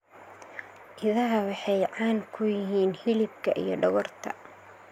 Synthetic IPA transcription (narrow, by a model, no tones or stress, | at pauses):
ʔɪðɐɦɐwɑħɑjʕɑːŋkʰʊjɪɦiːnhɪlɪb̚kʰɐʔḭjɞɖɐɣɔrt̪ʰɐ̰